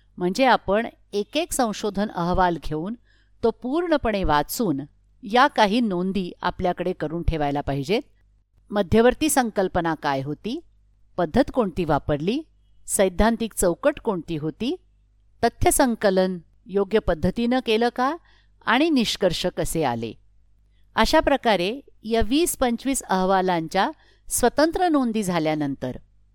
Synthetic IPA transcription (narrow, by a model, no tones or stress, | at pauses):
m̤əɳd͡zeapəɳ | ekeksə̃w̃ɕod̪ʱənəɦʋalɡʱeuːn | t̪opuːɾɳəpəɳ̃eʋat͡suːn | jakaɦiːnond̪iːa̰pljakəɽekəɾuːnʈʰeʋajlapaɦid͡ʑet̪ | məd̪ʱjəʋəɾt̪iːsəŋkəlpənakajɦot̪iː | pəd̪ʱːət̪koɳt̪iːʋapəɾliː | səjd̪ʱːãnt̪iːk̚t͡səwkəʈkoɳt̪iːɦot̪iː | t̪ət̪ʰjəsəŋkələn | joɡjəpəd̪ʱːət̪inəkeləːka | a̰ɽ̃iniɕkəɾʂəkəsea̰lḛ | əɕapɾəkaɾejaʋiːspəɲt͡ɕʋiːsəɦʋalaɲt͡ɕja | sʋət̪ənt̪ɾənond̪iːd͡zʱaljanənt̪əɾ